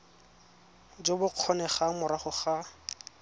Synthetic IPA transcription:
d͡ʒobʊq͡χʰɔnɛχamʊɾaχʊχa

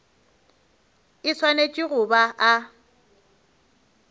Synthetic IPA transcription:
ɪswanet͡ʃʼɪɣʊbaʔa

